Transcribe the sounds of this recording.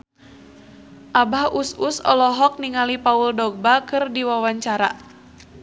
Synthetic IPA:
ʔabahususɔ̰lɔɦɔk̚niŋalipauldɔɡ̚bakɨrdiwawaɲt͡ʃaɾa

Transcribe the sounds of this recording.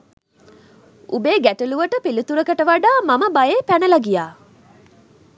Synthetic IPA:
ṵbeːɡæʈuluʋəʈəpilit̪uɾəkəʈəʋaɖaːmaməbajeːpænəlaɡijaː

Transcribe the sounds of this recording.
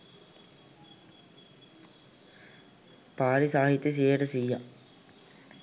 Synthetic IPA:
paːlisaːɦit̪ːjəs̬ijeəʈəsijːa

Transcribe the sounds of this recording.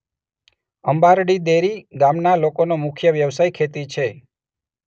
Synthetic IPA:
əmbaɾɽid̪eɾiɡãmnalokonomʊkʰjəʋjəʋsajkʰet̪it͡ʃʰe

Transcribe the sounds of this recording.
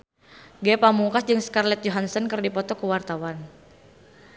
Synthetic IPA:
ɡɛpamuŋkasd͡ʒɨŋskarlɛt̪̚jɔɦansɔnkɨrdipɔt̪ɔkəwart̪awan

